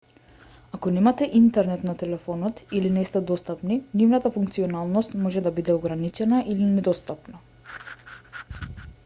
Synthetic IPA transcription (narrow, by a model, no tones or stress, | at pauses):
akɔnɛmat̪ɛʔint̪ɛɾnɛt̪nat̪ɛlɛfɔnɔt̪ilinɛst̪ɛd̪ɔst̪apninivnat̪afuŋkt̪siɔnalˠnɔst̪mɔʒɛd̪abid̪ɛɔɡɾanit͡ʃɛnaʔilinɛd̪ɔst̪apna